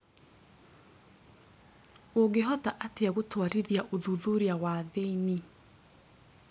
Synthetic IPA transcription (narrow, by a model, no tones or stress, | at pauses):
oɣeɦɔtaʔateaɣotwaɾiðjaʔoðuðoɾiawaðeini